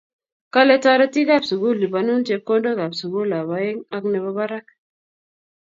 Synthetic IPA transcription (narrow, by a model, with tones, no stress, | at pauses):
ka˦lɛ˦tɔ˦ɾɛ˦ti˦ɡa˦˨psu˨ɡu˦li˨ba˨nu˦nte˨kːo˦ndo˦ɡa˨psu˨ɡu˦la˨ba˨e˦ŋa˦knɛ˨bɔ˦ba˦ɾa˦k̚